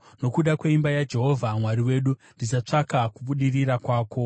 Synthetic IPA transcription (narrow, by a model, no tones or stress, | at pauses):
no̞kuɗakweimbajad͡ʒe̞ɦo̞vʱamwaɾiwe̞ːɗundisat͡ʂakakuɓuɗiriɾakwaːko̞